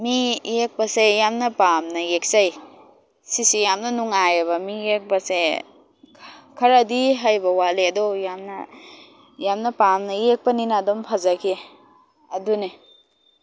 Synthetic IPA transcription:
mijek̚bɐsejamnɐpamnɐjek̚saj | sisijamnɐnuŋajeβɐmiek̚bɐse | kʰɐɾadiɦajbɐwaleɐdɔjamnɐ̰ | jamnɐpamnɐek̚pɐninadɔmpʰazakʰe | ɐdune

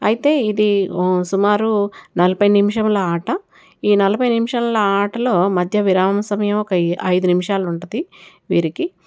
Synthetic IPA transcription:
ɐjit̪e̞ːid̪isumaːɾunɐlɐpɐjnimʃɐmlɐaːʈɐ | iːnɐlɐpɐjnimʃɐmlɐaːʈɐlo̞ːmɐd̪ʱjɐʋiɾaːmɐmɐsɐmɐjɐmɔkɐɐjd̪unimiʂaːlɐuɳʈɐd̪i | ʋiːɾiki

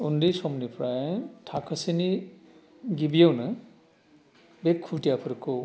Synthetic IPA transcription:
undisomnipʰɾajtʰakʰɐsini | ɡibijownɯ | bekʰːuʈijapʰɯɾkʰo

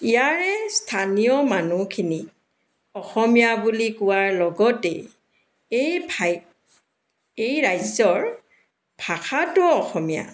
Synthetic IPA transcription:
ijaɹɛstʰanijɔmanukʰini | ɔxɔmijabulikʊwaɹlɔɡɔtɛ̰ | ejb | ejɹajzɔɹ | b̥ʱaxʰatʊɔxɔmija̰

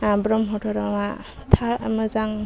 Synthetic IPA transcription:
abɾɔmɦɔtʰɔɾɔma | tʰamɯzaŋ

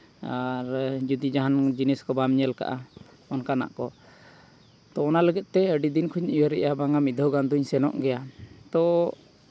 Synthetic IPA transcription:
aɾd͡ʒud̪id͡ʒaɦand͡ʒinɛskɔbamɲɛlka̰ʔa | ɔnkana̰ʔkɔ | t̪ɔɔnaləɡɛt̪̚ˀt̪ɛəɖid̪inkʰuɲiwəɾɛʔabaŋamid̪ʱɔɡand̪uɲsɛnɔ̰ʔɡɛjat̪ɔ

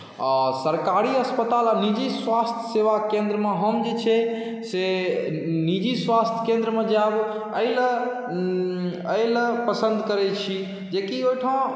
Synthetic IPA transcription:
asəɾkaɾiəspət̪alanid͡ʒisʋast̪ʰjəseʋakẽnd̪ɾəmeɦəmd͡ʒet͡ʃʰɛ | se | nid͡ʒisʋast̪ʰjkẽnd̪ɾəmed͡ʒab | əɪl | əjlpəsənd̪ʱkəɾɛt͡ʃʰi | d͡ʒekiojʈʰa

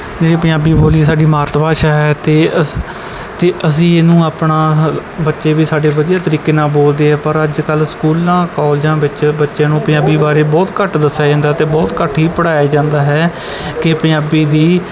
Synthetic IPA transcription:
d͡ʒeːɽiːpə̃jaːbiːboːlisaːɖiːmaːɾt̪paːʃaːɦɛːt̪eː | t̪eːʔəs̬ĩːɪnũːaːpɳãːbətːʃeːʋiːsaːɖeːʋəd̪ijaːt̪əɾiːkeːnãːboːld̪eːɦɛːpəɾəd͡ʒkəlskuːlãːkɔːld͡ʒãːʋɪt͡ʃbətːʃãːnũːpəjaːbiːbaːɾeːbɔːt̪kəʈd̪əsːaːd͡ʒãːnd̪aːt̪eːbɔːt̪kəʈʰɦiːpəɽaːeːd͡ʒãːnd̪aːɦɛː | kɪpənaːbiːd̪iː

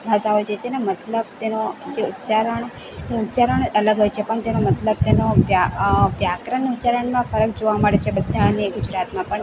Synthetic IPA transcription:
bʱasaɦojd͡ʒet̪enomət̪ləb̚t̪enod͡ʒeut̪t͡ʃaɾəɳ | t̪eʊt̪ːt͡ʃaɾəɳələɡɦojt͡ʃʰepəɳt̪enomət̪ləb̚t̪enojaʋjakɾəneut̪ːt͡ʃaɾəɳmãfəɾəkd͡ʒoʋaməɽet͡ʃʰebəd̪ʱːaəneɡʊd͡ʒɾat̪mãpəɳ

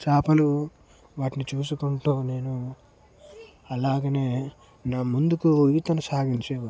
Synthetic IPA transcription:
t͡ʃaːpɐlu | ʋaːʈinit͡ʃuːs̬ukuɳʈoːne̞ːnu | ɐlaːɡɐneː | naːmund̪ukuiːt̪ɐnusaːɡiɲt͡ʃeː

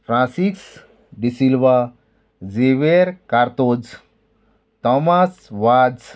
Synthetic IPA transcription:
fʰɾãsiks | ɖisilʋa | zeʋeɾkaɾt̪od͡z | t̪ɔmasʋad͡z

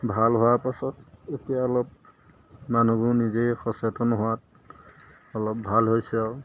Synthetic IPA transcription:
bʱalɦʊwaɹpasɔtetijaɔlɔp̚ | manubunizejxɔsetɔnɦʊwat | ɔlɔp̚bʱalɦojsɛɔ

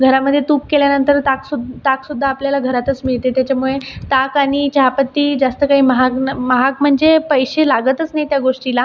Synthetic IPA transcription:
ɡʱəɾaməd̪ʱːjet̪uːp̚keljanənt̪əɾt̪aksud̪t̪aksud̪ʱːaːpljalaɡʱəɾat̪ət͡smiɭt̪et̪jat͡ɕamuɭet̪akaɽ̃it͡ɕaɦapət̪ːiːd͡zast̪əkaɦiːməɦaknməɦak̚m̤əɳd͡zepəjɕelaɡət̪ət͡snajt̪jaɡoʂʈila

